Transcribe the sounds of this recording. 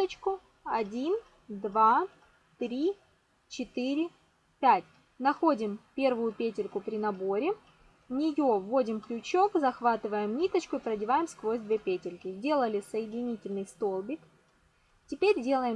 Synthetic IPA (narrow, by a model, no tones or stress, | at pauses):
ət͡ɕkʊ | ɐdʲin | d̪va | t̪ɾʲi | t͡ɕɪt̪ɨɾʲɪ | pʲætʲ | nɐxo̞dʲɪmpʲe̞rvʊjʊpʲetʲɪlʲkʊpɾʲɪnɐbo̞ɾʲɪ | nʲɪjo̞vo̞dʲɪmklʲʊt͡ɕo̞kzɐxvat̪ɨvəjɪmnʲit̪ət͡ɕkʊɪpɾədʲɪvajɪmskvo̞zʲd̪vʲepʲetʲɪlʲkʲɪzʲdʲe̞lˠəlʲɪsəjɪdʲɪnʲitʲɪlʲnɨjst̪o̞lˠbʲɪk | tʲɪpʲeɾʲdʲe̞lˠəjɪm